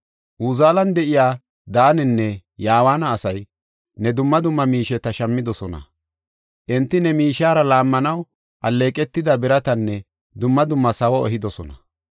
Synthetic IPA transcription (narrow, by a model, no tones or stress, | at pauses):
ʔuːzaːlɐnd̪ɛʔɪjaː | d̪aːnɛnːɛjaːwaːnɐːsɐj | nɛd̪ʊmːɐd̪ʊmːɐmiːʃɛt̪ɐʃɐmːɪd̪ɔsɔnɐ̰ | ʔɛnt̪ːɪnɛmiːʃaːɾɐlaːmːɐnɐw | ʔɐlːe̞ːkʼɛt̪ːɪd̪ɐbɪɾɐt̪ɐnːɛ | d̪ʊmːɐd̪ʊmːɐsɐwɔɔɦɪd̪ɔsɔnɐ